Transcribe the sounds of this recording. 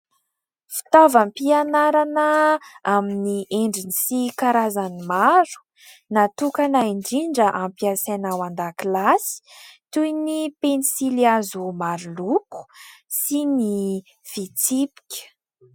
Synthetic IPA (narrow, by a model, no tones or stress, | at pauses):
fi̥t̪avampianaɾanəaminiʔeɳɖ͡ʐinisikaɾazanimaɾu̥ | nat̪ukanaiɳɖ͡ʐiɳɖ͡ʐəʔampiasanawand̪akilasi̥t̪ujnipenisiliazumaɾuluku̥sini | fit͡sipi̥kʲə̥